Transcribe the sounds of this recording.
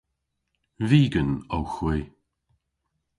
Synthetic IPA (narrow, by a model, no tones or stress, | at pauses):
viːɡənowxwɪ